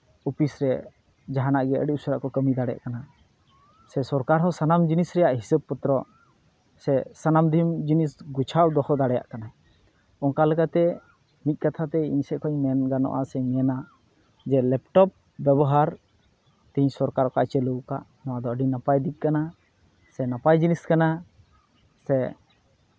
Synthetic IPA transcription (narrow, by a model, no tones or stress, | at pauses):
upʰisɾɛ | d͡ʒaɦanaʔɡɛʔə̰ɖiusəɾa̰ʔkɔkəmid̪aɽɛja̰ʔkana | sɛsɔɾkaɾɦɔsanamd͡ʒinisɾɛjaʔɦisəb̚put̪ɾɔ | sɛsanamd̪ʱimd͡ʒinisɡut͡ʃʰawd̪ɔkɔd̪aɽɛja̰ʔkana | ɔŋkaləɡat̪ɛ | mit̪̚kat̪ʰat̪ɛiɲsɛʔ̚kʰɔɲmɛnɡanɔ̰ʔa̰sɛmɛna | d͡ʒɛlɛp̚ʈɔp̚ | bjɛbɔɦaɾ | t̪iɲsɔɾkaɾɔka̰ʔt͡ʃɛləwka̰ʔnɔwad̪ɔəɖinapajd̪ik̪̚ˀkana | sɛnapajd͡ʒiniskana | sɛ